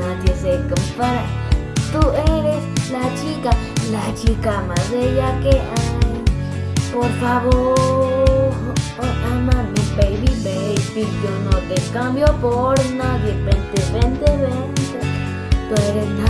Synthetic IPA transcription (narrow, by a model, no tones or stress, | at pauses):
ãt̪esekupat̪uẽɾelat͡ʃika | lat͡ʃikamãðejakeʔã | poɾfaβoɾ | ʔãmãmĩpeiβimeespiɾit̪unõt̪ekãmbjopoɾnãd̪epent̪eβend̪eβend̪e | t̪eɾena